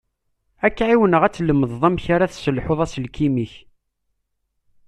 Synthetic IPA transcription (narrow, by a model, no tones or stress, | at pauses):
ækːʕiwənəʁæt͡sːləmːəðˤðˤɑmçaɾaθsəlħoðˤæsəlkimiç